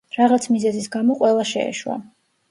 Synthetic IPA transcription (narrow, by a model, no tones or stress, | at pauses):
ɾaʁat̪sʰmizɛzisɡamɔqʼwɛlˠaʃɛ̰ːʃwa̰